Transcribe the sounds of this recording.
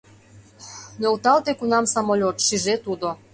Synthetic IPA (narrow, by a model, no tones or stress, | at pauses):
nolt̪ɑlt̪ekunɑmsɑmolʲot̪ʃiʒet̪ud̪o